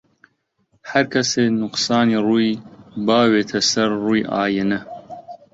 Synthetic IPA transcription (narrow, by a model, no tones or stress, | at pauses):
hɐɾkʰɐseːnʊqsɑːniruːjbɑːweːt̪ʰɐsɐɾːuːjʔɑ̰ːjənɐ